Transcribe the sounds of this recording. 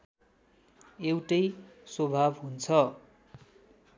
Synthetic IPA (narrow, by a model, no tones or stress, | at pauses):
ewʈʌjswobʱabɦunt͡sʰʌ